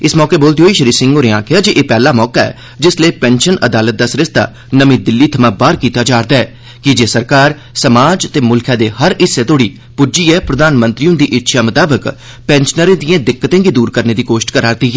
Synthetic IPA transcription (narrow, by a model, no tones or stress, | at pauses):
ɪsmɔːkeːboːlt̪iɦoːiːʃəɾiːsɪ̃ŋɡoːɾeãːkɪaːd͡ʒeʔeːpɛːlaːmɔːkaːɛ̰ː | d͡ʒɪsleːpɛ̃ːnʃənəd̪aːlət̪̚d̪aːsɾɪst̪a̰ː | nəmĩːd̪ɪlːiːt̪ʰəmãːbaːɾkiːt̪aːd͡ʒaːɾd̪aːɛː | kɪd͡ʒeːsəɾkaːɾ | səmaːd͡ʒt̪eːmʊlkʰãːd̪eːhəɾɪsːeːt̪oːɽiː | pʊd͡ʒiːɛːpɾəd̪aːnmə̃nt̪ɾiõːd̪iːʔɪtːʃʰaːmət̪aːbək | pɛ̃ːnʃnəɾẽːd̪iːãːd̪ɪkːət̪ẽːɡiːd̪uːɾkəɾneːd̪iːkoːʃʈkəɾaːɾt̪iːɦɛː